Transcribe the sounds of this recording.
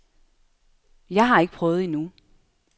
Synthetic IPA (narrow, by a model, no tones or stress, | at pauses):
jɑ̈ɪɦɑ̈eɡ̥ə̥pʰʁœːʊð̞̩ˠinu